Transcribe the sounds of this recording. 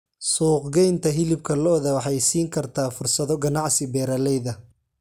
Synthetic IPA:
suːqɡɛjnt̪ʰɐɦɪlɪbkʰɐlɔːðɐwɑħɑjsiːŋkʰɐrt̪ʰaːfʊrsɐðɔɡɐnɑʕsɪbɛːɾɐlɛjðɐ

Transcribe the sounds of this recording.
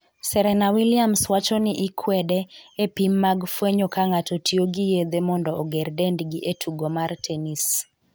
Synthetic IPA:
sɛɾɛnawiljamswat͡ʃɔnɪʔɪkʰwɛdɛepimːaɡfweɲokaŋatotioɡijed̪emɔndɔːɡɛrdɛndɡiʔetʰuɡomartʰɛnis

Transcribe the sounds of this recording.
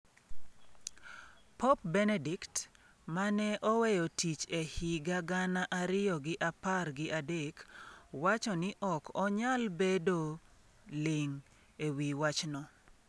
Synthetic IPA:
pop̚bɛnedikt | manɛʔɔwɛjotit͡ʃehiɡaɡanaʔaɾɪjɔɡɪʔaparɡɪʔadekwat͡ʃɔnɪʔɔkɔɲalbedo | lɪŋ | ewiwat͡ʃnɔ

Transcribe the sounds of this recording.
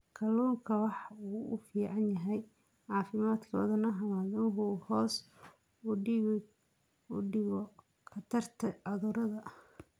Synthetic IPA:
kʰɐluːŋkʰɐwɑħɑuːʊ̰fiːʕɑnjɐɦɛj | ʕɑːfɪmaːd̪kʰɔ̰ːðɐnɐɦɐmaːðɐnɦʊhɔːs | ɖɪɣɔ | kʰɐt̪ʰɐrt̪ʰɐɐðʊɾɐðɐ

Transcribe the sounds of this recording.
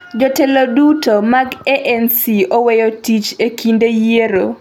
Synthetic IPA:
d͡ʒotelodutomaɡeʔɛnsiowejotit͡ʃekʰindejeɾo

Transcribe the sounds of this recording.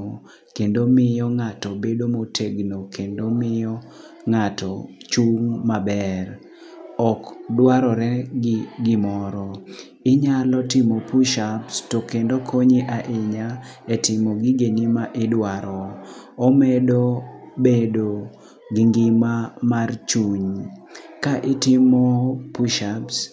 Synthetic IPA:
kendomɪjɔŋatɔbedomotʰeɡnokendomɪjɔ | ŋatɔ | t͡ʃuŋmabɛr | ɔkdwaɾɔɾɛɡɪɡɪmɔɾɔ | ɪɲalɔtɪmopuʃapstokendokʰoɲiʔaʔɪɲa | etɪmoɡɪɡenimaʔɪdwaɾɔomɛdobedo | ɡɪŋɡɪmamart͡ʃuɲ | kaʔɪtɪmopuʃaps

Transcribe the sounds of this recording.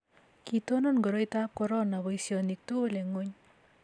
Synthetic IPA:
kit̪onɔnɡɔɾɔjt̪ap̚kɔɾɔnaβɔisjɔnik̚t̪oleŋoɲ

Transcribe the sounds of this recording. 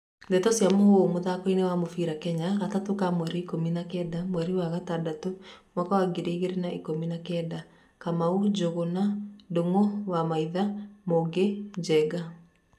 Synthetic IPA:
ndetɔsjamohomoðakoinewamofiɾakɛɲaɣatatokamwɛɾiikominakɛːdamwɛɾiwaɣatadatomɔkawaɡiɾeiɣeɾenaʔikominakɛːda | kamaud͡ʒoɣonadoŋowamaiðamoɡed͡ʒɛɡa

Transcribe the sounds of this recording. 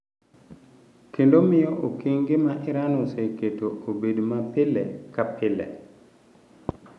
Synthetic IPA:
kendomɪjɔʔokiŋɡɪmaʔɪɾanoseketoobedmapɪlɛ̰kapʰɪlɛ̰

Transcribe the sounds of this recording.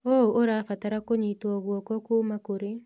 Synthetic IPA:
ooɾaːfataɾakoɲitwɔɣwɔkɔkuːmakoɾe

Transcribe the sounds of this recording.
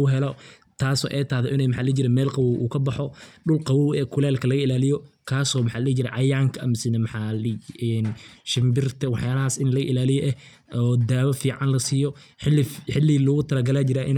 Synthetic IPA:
ʊɦɛlɔ | t̪ʰaːsɔ̰ːʔɛjt̪ʰaːhðɛʔɪnɛjmɑħaːld͡ʒɪɾɛmɛːlqɑwwʔuːkʰɐbɑħɔɗʊlqɑwɔwɛkʰʊlaːlkʰɐlɐɣɐɪlaːlɪjɔkʰaːsɔːmɑħaːld͡ʒɪɾɛʕɑjaːŋkʰɐɐmsɪnɛmɑħaːlɪɛːnʃɪmbɪrt̪ʰɐwɑħjaːlɐɦaːsɪnlɐɣɐʔɪlaːlɪjɔʔɛ | ɔːd̪aːwɐfiːʕɑnlɐsiːjɔ | ħɪlːħɪlːɪlʊɣʊt̪ʰɐlɐɡɐlaːt͡ʃɪɾaːʔɪn

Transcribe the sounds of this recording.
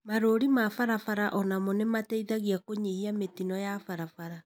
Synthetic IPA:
maɾoɾimafaɾafaɾaʔɔnamonɛmatɛiðaɣiakoɲihiametinɔjafaɾafaɾa

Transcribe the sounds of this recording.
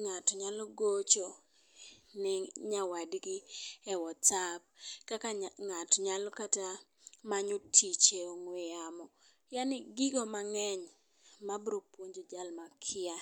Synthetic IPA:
ŋatɔɲalɔɡot͡ʃo | nɪɲawadɡɪɛwɔt͡sab̚kakaŋatɔɲalɔkata | maɲotʰit͡ʃeoŋwejamɔ | janɪɡɪɡɔmaŋɛɲ | mabɾopwoɲd͡ʒod͡ʒalmakʰɪa

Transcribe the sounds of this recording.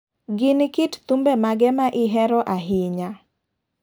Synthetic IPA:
ɡɪnkɪtt̪umbɛmaɡɛmaʔɪɦɛɾɔʔaɦɪɲa

